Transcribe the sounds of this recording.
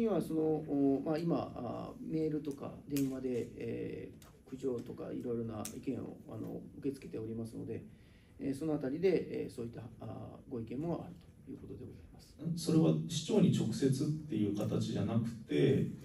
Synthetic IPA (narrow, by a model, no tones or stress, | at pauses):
ɲ̟iβaso̞no̞ːmaima̰a̰me̞ːɾɯ̟t̪o̞ka̰d̪ẽ̞ɰ̃βad̪e̞̰ː | kɯ̟ʑo̞ːt̪o̞ka̰ḭɾo̞jiɾo̞naikẽ̞ɰ̃o̞̰a̰no̞̰ɯke̞t͡sɨ̥ke̞t̪e̞o̞ɾʲimasɨno̞̰d̪e̞ | eso̞no̞at̪aɾʲid̪e̞ḛso̞ːit̪ːaɡo̞ikẽ̞mːo̞ʔa̰ɾɯ̟t̪o̥jɯ̟ːkot̪o̞d̪e̞ɡo̞zaimasɨ̥̃so̞ɾe̞βaɕi̥t͡ɕo̞ːɲ̟it͡ɕo̞kɯ̟̥se̞t͡sɨt̪ːe̞jɯ̟ːkat̪at͡ɕiʑanakɯ̟̥t̪e̞